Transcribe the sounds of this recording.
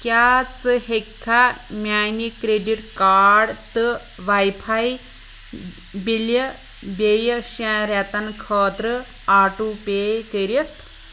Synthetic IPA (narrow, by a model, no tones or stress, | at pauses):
kjaːt͡sɨhekʰːa | mʲjaːnikɾeɖiʈkaːɖt̪ɨ | ʋɐjpʰɐj | biljɐ | bejɐʃãɾɛt̪ɐnkʰoːt̪ɾɨ | aːʈupeːt̪eɾjɐt̪